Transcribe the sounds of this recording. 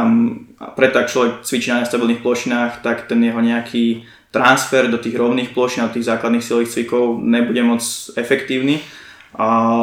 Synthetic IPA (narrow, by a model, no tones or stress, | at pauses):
ampɾɛt̪ːɔak̚t͡ʃlɔʋɛk̚t͡sʋit͡ʃinaɲast̪abilˠnixplɔʃinaːxt̪akt̪ɛnjɛɦɔɲɛakʰiː | t̪ɾansfɛɾd̪ɔt̪iːɣɾɔʊniːxplɔʃinad̪ɔt̪iːɣzaːklad̪nixsiliːxt͡sʋikɔʊɲɛbuɟɛmɔt͡sɛfɛkt̪iːʊni